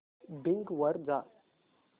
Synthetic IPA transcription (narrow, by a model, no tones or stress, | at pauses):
bɪ̃ŋkʋəɾd͡ʒaː